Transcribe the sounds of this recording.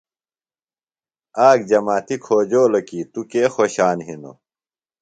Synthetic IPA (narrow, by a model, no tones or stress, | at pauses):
aːɡ̚d͡ʑɐmaːt̪ikʰoːd͡ʑoːlɐkit̪ukeːxoːɕaːnɦino̰